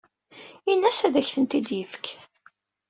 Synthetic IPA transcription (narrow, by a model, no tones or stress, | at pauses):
inːæsæðæçθənt̪id̪jəfk